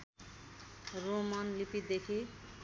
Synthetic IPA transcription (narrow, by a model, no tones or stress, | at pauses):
romanlipid̪ekʰi